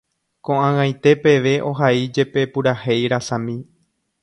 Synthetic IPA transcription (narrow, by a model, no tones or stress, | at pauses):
kõʔãŋãj̃t̪e̞pe̞ʋe̞ʔo̞ɦaid͡ʒe̞pe̞puɾahe̞jɾasãmĩ